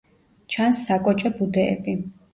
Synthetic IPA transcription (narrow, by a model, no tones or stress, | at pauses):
t͡ʃʰansːakʼɔt͡ʃʼɛbud̪ɛ̰ːbi